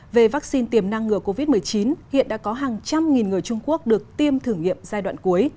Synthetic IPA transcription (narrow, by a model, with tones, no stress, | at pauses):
ve˨˩va˦˥k̚si˧nt̪i˨˩əmna˧ŋːɨ˨˩əko˧vi˦˥t̚m˨˩əjt͡ɕi˨˦nhḭ˧˨ənɗa̰ː˧˥kɔ˨˦ɦaː˨˩ŋt͡ɕa˧mŋi˨˩nŋɨ˨˩əjt͡ɕʊ˧ŋ͡mku˦˥ək̚ɗɨ˨˩ək̚t̪i˧əmt̪ʰɨ˨˧˩əŋːḭ˧˨əmzaː˧jɗwa̰ː˧˨nku˨˦əj